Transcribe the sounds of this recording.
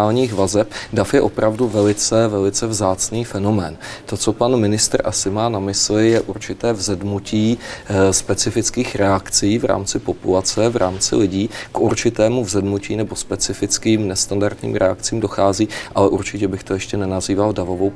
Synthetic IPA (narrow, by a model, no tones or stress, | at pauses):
aːlɲiːxvazɛpdafjɛʔo̞pɾavduvɛlɪt͡sɛvɛlɪt͡sɛvzaːt͡sniːfɛno̞mɛːnt̪o̞t͡so̞panmɪnɪst̪ɾʔasɪmaːnamɪslɪjɛʔuɾt͡ʃɪt̪ɛːvzɛdnuciːspɛt͡sɪfɪt͡skiːxɾɛakt͡siːvɾa̰ːmt͡sɪpo̞pulat͡sɛvɾa̰ːmt͡sɪ̰lɪɟiːkʔuɾt͡ʃɪt̪ɛːmuvzɛdnuciːnɛbo̞spɛt͡sɪfɪt͡skiːmnɛst̪andaɾt̪ɲḭːmɾɛak̚t͡siːmdo̞xaːziːʔalɛʔuɾt͡ʃɪcɛbɪxt̪o̞jɛʃcɛnɛnaziːvaldavo̞vow